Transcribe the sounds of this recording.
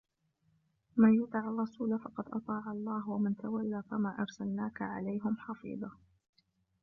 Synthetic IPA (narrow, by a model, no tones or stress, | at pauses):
manjʊt̪ˤɪʕɑrˤːɑsuːlafɑqɑd̪ʔɑ̰t̪ˤɑːʕɑlˤːɑːhwamɪnt̪awalːaːfamaːʔɑɾˤsalnaːkaʕa̰lajɦɪmħɑfḭːd̪ˤɑ